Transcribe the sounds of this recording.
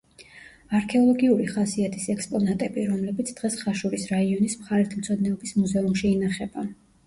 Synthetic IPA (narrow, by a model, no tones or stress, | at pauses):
aɾkʰɛɔlˠɔɡiuɾiχasiat̪ʰisɛkspʼɔnat̪ʼɛbiɾɔmlɛbit̪sʰd̪̥ʁɛsχaʃuɾisɾaiɔnismχaɾit̪ʰmt̪sʰɔd̪nɛɔbismuzɛumʃiːnaχɛba